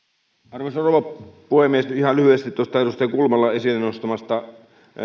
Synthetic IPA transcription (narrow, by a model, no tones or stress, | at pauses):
ɑrʋosroʋɑpuhemiesnyihɑlyhyest̪it̪t̪uost̪ɑedust̪ɑɑkulmɑlːɑesilːenost̪ɑmɑst̪ɑ